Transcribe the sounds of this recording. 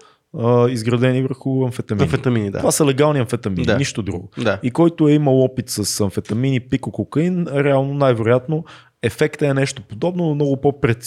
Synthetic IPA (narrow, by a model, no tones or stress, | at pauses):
əizɡɾɐd̪ɛnivəɾxʊɐnfɛt̪ɐminfɛt̪ɐminid̪aovasəlɛɡalˠniɐnfɛt̪ɐmininiʃt̪od̪ɾṵɡʊd̪aikɔjt̪ʊɛiməlˠɔpit̪səsɐnfɛt̪ɐminipikokokəinɾɛalˠnonajvɛɾʊjat̪no | ɛfɛkt̪əɛnɛʃt̪opod̪ɔbnonomnɔɡʊpopɾɛt̪s